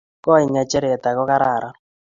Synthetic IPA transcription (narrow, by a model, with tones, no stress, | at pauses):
kɔ˦i˨ɲa˨t͡ʃɛ˦ɾɛ˨t̪a˨kɔ˦ka˦ɾa˨ɾa˨